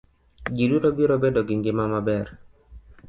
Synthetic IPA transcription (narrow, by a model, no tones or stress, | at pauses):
d͡ʒiduɾobiɾobedoɡɪŋɡɪmamabɛr